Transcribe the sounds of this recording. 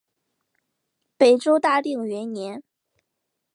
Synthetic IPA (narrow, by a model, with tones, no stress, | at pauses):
pe˨˩ɪʈ͡ʂo˥ʊt̪a˥˧li˥˩ŋɥɛ˧˥nnjɛ˧˥n